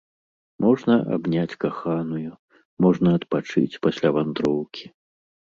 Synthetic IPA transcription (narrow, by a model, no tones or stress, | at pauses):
mɔʐnɐʔa̰bnʲat͡sʲkaxanuju | mɔʐnɐɐt̪pat͡ʂɨ̰t͡sʲpasʲlʲavand̪ɾɔwkʲʰi̥